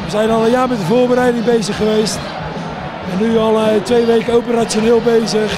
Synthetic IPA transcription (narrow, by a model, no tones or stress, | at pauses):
ʋəzɛjnɔlˠəjaːmɛtəvoːbəɾɛjdɪŋbejzəχːəʋejst | ɛnːyɔlˠətʋejʋejkəowpəratoneːlˠbejzəχ